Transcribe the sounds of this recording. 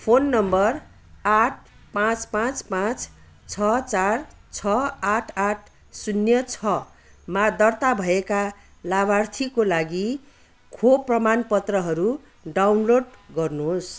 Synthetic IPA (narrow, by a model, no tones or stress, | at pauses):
pʰonːʌmbʌr | aʈ̚ʰ | pãt͡spãt͡spãt͡s | t͡sʰʌt͡sart͡sʰʌaʈʰaʈʰ | sunjʌt͡sʰʌ | mad̪ʌrt̪abʱʌeka | labart̪ʰikolaɡi | kʰoprʌmanpʌt̪rʌɦʌɾu | ɖawnloɖɡʌrnuɦos